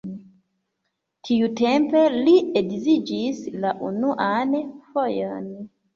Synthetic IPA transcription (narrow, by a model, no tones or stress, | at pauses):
tʰijutɛmpelieɡzid͡ʒislaʔunuʔanefɔjɔn